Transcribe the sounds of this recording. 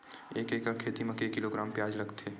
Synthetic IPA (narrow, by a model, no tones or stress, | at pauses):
eːkeːkəɾkʰeːt̪imɐ̃keːkːɪloɡɾaːmpjaːd͡ʒlɐɡt̪ʰeː